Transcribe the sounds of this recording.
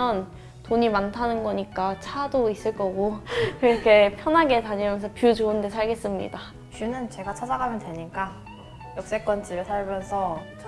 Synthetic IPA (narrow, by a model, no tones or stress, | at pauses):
ʌn | toɲimantʰanɯnɡʌɲik͈at͡ɕʰadois͈ɯɭk͈ʌɡokɾʌkʰe̞pʰjʌnɦaɡe̞taɲimjʌnsʰʌpjud͡ʑoɯnde̞sʰaɭɡe̞s͈ɯmɲḭda | t͡ɕunɯnt͡ɕe̞ɡat͡ɕʰad͡ʑaɡamjʌntwe̞ɲik͈a | jʌk̚s͈e̞k͈wʌnt͡ɕ͈ibɯɭsʰaɭmjʌnsʰʌ